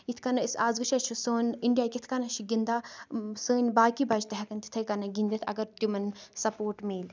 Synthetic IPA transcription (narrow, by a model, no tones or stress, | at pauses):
jit̪ʰkɐnɐisaːzɡɨʃʰɐt͡ʃʰusəːnʲiɳɖijaːkʲit̪ʰkɐnɐt͡ʃʰiɡind̪aːsəːnʲbaːkibɐd͡ʒt̪ɐɦɛkɐnt̪i̥t̪ʰɐjkɐnɐɡind̪ʲit̪ʰɐ̰ɡɐɾt̪ʲumɐnsɐpoːʈmeːl